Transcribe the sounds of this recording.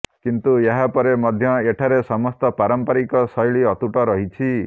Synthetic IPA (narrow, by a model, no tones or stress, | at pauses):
kint̪ueɦapɔɾemɔd̪ʱjɔeʈʰaɾesɔmɔst̪ɔpaɾɔmpaɾikɔsɔjɭiɔt̪uʈɔɾɔɦit͡ʃʰi